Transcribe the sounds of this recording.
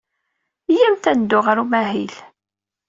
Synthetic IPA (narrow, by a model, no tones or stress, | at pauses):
jæmt̪ænd̪ʊʁəɾumæɦil